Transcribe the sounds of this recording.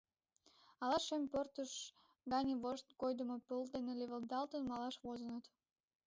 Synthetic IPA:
ɑlɑʃːempørt̪əʃ | ɡɑnʲəβoʃt̪kojd̪əmopəld̪eneleβəld̪ɑlt̪ənmɑlɑʃβozənət̪

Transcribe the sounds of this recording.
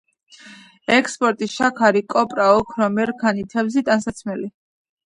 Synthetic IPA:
ɛkʰspʼɔɾt̪ʼisʃakʰaɾikʼɔpʼɾaɔkʰɾɔmɛɾkʰanit̪ʰɛbzit̪ʼansat̪sʰmɛli

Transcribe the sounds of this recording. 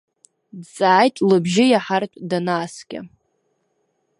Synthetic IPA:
dt͡sʼaːjtʼlɨbʒɪjaħartʷʼdanaːsɡʲa̰

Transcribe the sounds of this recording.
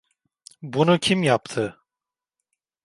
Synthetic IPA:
bunucʰimjapt̪ʰɯ

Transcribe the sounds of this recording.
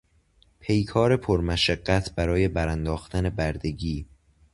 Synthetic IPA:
pʰe̞jkʰɒːɾe̞pʰoɾmæʃæɢ̥ːæt̪ʰbæɾɒːje̞bæɾænd̪ɒːxt̪æne̞bæɾd̪e̞ɡiː

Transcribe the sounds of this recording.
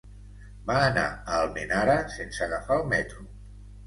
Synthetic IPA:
baːna̰əlˠmenaɾasensəɣafalˠmɛt̪ɾu

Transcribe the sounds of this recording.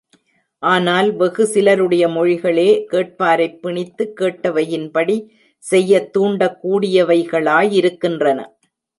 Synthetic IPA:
ʔaːnaːlʋɛɣɯsɪlɐɾɯɽɐjɐmɔɻɪɣɐɭeːkeːʈ̚paːɾɐɪpːɪɳɪt̪ːɯkːeːʈːɐʋɐjɪnpɐɽi | sɛjːɐt̪ːuːɳɖɐkːuːɽɪjɐʋɐɪɣɐɭaːjɪɾɯkːɪndrɐnɐ̰

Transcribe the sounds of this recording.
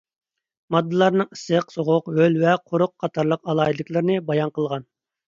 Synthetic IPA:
mɑd̪ːɨlˠɑɾnɨŋisɨqsoʁʊqhølvɛqʰʊɾʊqːʰɑt̪ʰɑɾlˠəqɑlˠɑilɪkʲlˠɨɾnɨbɑjɑnqəlˠʁɑn

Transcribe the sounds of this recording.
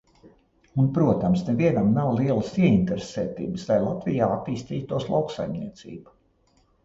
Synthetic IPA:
unpɾuɔt̪amsnɛviɛnamnawlˠiɛlˠəsiɛint̪eɾeseːt̪ḭːbslajlˠat̪vijaːat̪ːiːst̪iːt̪uɔslˠawksa̰jmnḭɛt̪sḭːbu

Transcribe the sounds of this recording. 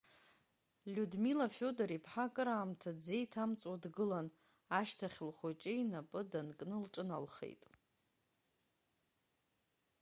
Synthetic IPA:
lʲudmilafʲo̞daɾipʰħakʼɨɾaːmtʰad͡ze̞jtʰamt͡sʼwadɡɨlan | aʃtʰaχʲlχʷat͡ʃʼeinapʼɨdankʼnɨlʈ͡ʂʼɨnalχḛjtʼ

